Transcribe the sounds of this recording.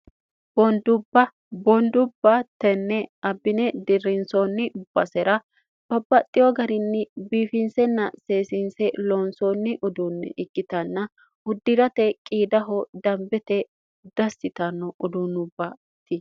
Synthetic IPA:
b̥ɔnd̪ʊbːɐ | bɔnd̪ʊbːɐt̪ːɛnːɛɐbːɪnɛd̪ɪrːɪnsonːɪʊb̥ːɐsɛɾɐ | ᶑɔbːɐt̪ʼɪjɔɡɐɾɪnːɪbiːfɪnsɛnːɐseːsɪnsɛloːnsoːnːɪʔʊd̪unːɛ̰ʔɪɡːɪt̪ɐnːɐ | hʊd̪ːɪɾɐt̪ɛkʼiːd̪ɐɦɔd̪ɐmbɛt̪ɛ | d̪̥ɐsːɪt̪ɐnːɔʔʊd̪unʊbːɐ | t̪ːɪ

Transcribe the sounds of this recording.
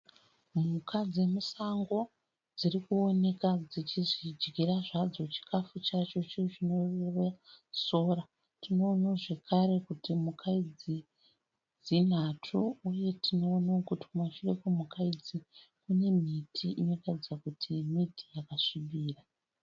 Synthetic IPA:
mukʰad͡zemusaŋɡo̞ | d͡zirikuo̞ne̞kad͡zit͡ʃiʐid͡ʒɡiraʐad͡zo̞t͡ʃi̥kʰafut͡ʃat͡ʃo̞t͡ʃit͡ʃino̞rereso̞ːra | tino̞ːnaʐe̞kʰaɾe̞kutimukʰaid͡zi | d͡zin̤atʰuuje̞tino̞ːnaokutikumaʃirekumukaid͡zi | kune̞mitʰiʔino̞katid͡zakutʰimiti̥jakaʂiɓiːra

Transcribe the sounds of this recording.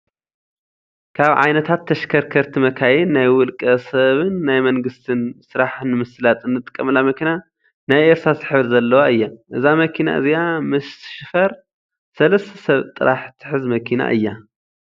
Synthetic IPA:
kʰaβʕa̰jnɐt̪ʰat̪ʰːɐʃkʰɐɾkʰɐɾt̪ʰimɐkʰajinːajwʊlkʼɐsɐβɨnːajmɐŋɡɨst̪ʰɨnsɨɾaħnɨmɨslat̪ʼɨnːɨt̪ʼɨ̥kʼːɐmɨlamɐkʰina | najʔeɾt̪ɾazɨħɨβɾzɐlːɐwaɨjːaʔɨzamɐkʰina̰ʔɨ̰ziamɨsʃɪfɐɾ | sɐlɐst̪ʰɐ̥sɐβt̪ʼɨɾʔaħt̪ʰɨ̥ħɨzmɐkʰina̰ʔɨjːa

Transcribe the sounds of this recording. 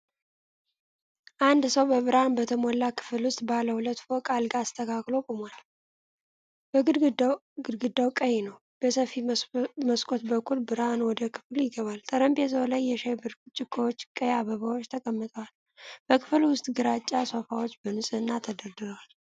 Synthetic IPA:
ʔand̪səwbəβɨɾhanbət̪ʰəmolːakʰɨ̥fɨlwʊst̪ʼbaləhulət̪ːfokʼalɡaːst̪ʰəkʰakʼlo̞kʼumal | b̥əɡɨɡɨd̪ɡɨd̪ːawkʼəjɛnəw | b̥əsəfiməskʼot̪bəkʰːulbɨɾanwɔd̪əkʰɨ̥fljɪɡəβalt̪ʰəɾəmbes̬əwlajːɛʃebɨɾt͡ʃʼɪkʰːəwot͡ʃːkʼəjaβəβawo̞t͡ʃːt̪ʰəkʼəmːɨt̪ʼəwal | b̥əkʰɨ̥fɨlwʊst̪ʼɡɨɾat͡ʃʼːasofawo̞t͡ʃːbənɨsʼɨɨnːat̪ʰəd̪əɾd̪ɨɾəwal

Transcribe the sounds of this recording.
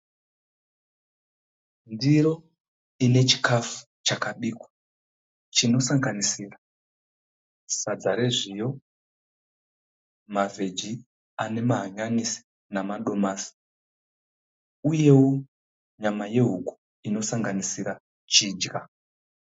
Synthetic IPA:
ndiɾo̞ | ine̞t͡ʃi̥kʰafu̥ | t͡ʃakaɓiːkwḁ | t͡ʃino̞saŋɡanisira | sad͡zaɾe̞ʐijo̞ | mavʱe̞d͡ʒi | ane̞maɦaɲanisi̥ | namaɗo̞maːsi̥ | uje̞wo | ɲamaje̞ɦuku̥ | ino̞saŋɡanisiɾa | t͡ʃiːd͡ʒɡa

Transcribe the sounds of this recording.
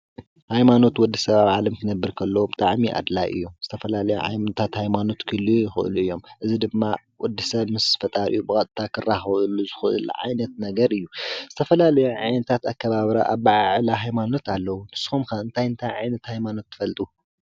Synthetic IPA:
hajmano̞t̪wɔd̪ːisɐβaβʕalɐmkʰɨnɐbːɨɾkʰɐlːɐwobɨt̪ʼaʕmiʔa̰d̪lajʔɨ̰jːuzɨt̪ʰɐfɐlalɐjṵʕa̰jt̪ʰat̪hajmano̞t̪kʰɨlːijujɪxɨ̰ʔɨ̰luɨjːo̞mʔɨzid̪ɨmːa | wɔd̪ːɨsɐβmɨsfɐt̪ʼaɾʔɨ̰jːubɨkʼɐt̪ʼt̪ʰakʰɨrːaxβɨluzɨxɨʔɨ̰lʕa̰jnɐt̪nɐɡɐɾɨjːuz̥ɨt̪ʰɐfɐlalɐjuʕajnɐt̪ʰat̪akːɐβaβɾaʔaβaʕaʕlaɦajmano̞t̪alːɐwunɨsɨ̥xumkʰaɨnt̪ʰajɨnt̪ʰajʕajnɐt̪hajmano̞t̪ːɨ̥fɐlt̪ʼu

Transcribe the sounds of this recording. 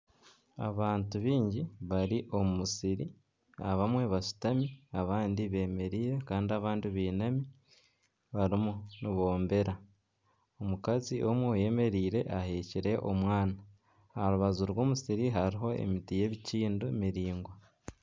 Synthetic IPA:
a̰βaːntuβiːɲɟiβaɾiʔo̞mumusiɾi | aβamwe̞βaʃu̥tamiaβaːndiβe̞ːme̞ɾiːɾe̞kaːndiaβaːndiβeːnami | βaɾimuniβo̞ːmbe̞ɾa | omukaziʔo̞mwuje̞me̞ɾiːɾe̞ʔahe̞ciɾe̞ʔo̞mwaːna | haɾuβazuɾwo̞ːmusiɾiɦaɾiɦo̞e̞̰mitije̞ːβiciːndomiɾiːŋɡwa

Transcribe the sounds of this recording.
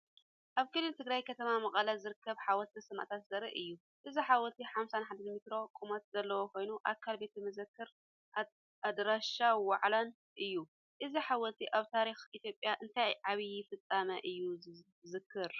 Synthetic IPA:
ʔaβkʰɨlɨnt̪ʰɨɡɾajkʰɐt̪ʰɐmamɐχʼɐlɐzɨɾɨkʰːɐβħawɔlt̪ʰisɨmʔa̰t̪ʰat̪zɐɾiʔɨjːu | ʔɨziħawɔlt̪ʰiħamsanħad̪ɐnmit̪ɾo̞kʼumɐt̪zɐlːɐwokʰo̞jnuʔakʰːalbe̞t̪ʰimɨzɨkːɨɾ | ad̪ɾaʃawaʕlan | ʔɨjːu | ʔɨziħawɔlt̪ʰiʔaβt̪ʰaɾixit̪ʰjo̞pʼjaʔɨnt̪ʰajʕaβiɪfɨt͡sʼːamɐʔɨjːu | zɨkʰːɨɾ

